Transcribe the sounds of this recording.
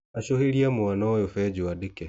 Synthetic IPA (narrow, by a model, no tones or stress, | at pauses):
aɕoheɾiamwanaɔjofɛd͡ʑoadekɛ